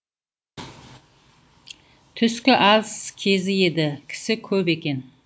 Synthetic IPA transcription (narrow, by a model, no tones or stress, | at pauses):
t̪ʰʏskʲɪʔɑlˠskʲʰe̞zɪje̞d̪ɪkʲʰɪ̥sɪkʲʰɵbe̞kʲe̞n